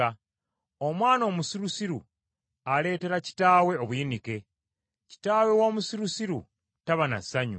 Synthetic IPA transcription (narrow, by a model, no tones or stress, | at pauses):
a | o̞mwaːno̞ːmusiɾusiɾṵ | ale̞ːte̞ɾaci̥taːwe̞o̞βuinike̞ | ci̥taːwe̞woːmusiɾusiɾṵ | taβanasaɲṵ